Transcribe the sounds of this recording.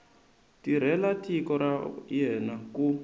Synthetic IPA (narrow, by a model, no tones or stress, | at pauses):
tiɾ̤ɛlatʰikɔɾajɛnaku